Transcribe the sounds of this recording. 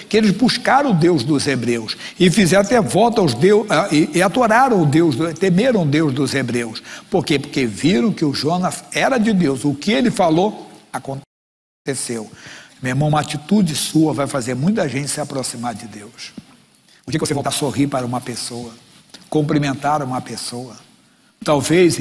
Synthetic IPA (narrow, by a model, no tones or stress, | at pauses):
kɪelɪzbuʃkaɾɐ̃ʊd̪ewzd̪ʊzebɾewsɪfizɛɾ̃at̪ɛvɔwt̪awzd̪ewaɪɪad̪oɾaɾɐ̃w̃ʊd̪ewzd̪ʊt̪emeɾɐ̃w̃ʊd̪ewzd̪ʊzebɾewspoɾkepoɾkeviɾɐ̃w̃kɪʊʒõnɐzɛɾɐd͡ʒɪd̪ewzʊkɪelɪfaloakõ | t̪esewmeɾmɐ̃ũmɐat͡ʃit̪ud͡ʒɪsuɐvajfazeɾmũj̃t̪ɐʒẽnt͡ʃɪ̥sɪapɾosimaɾd͡ʒɪd̪ews | ʊkekvosevot̪asohipaɾɐũmɐpesowɐ | kõmplimẽnt̪aɾɐũmɐpesowɐ | t̪awves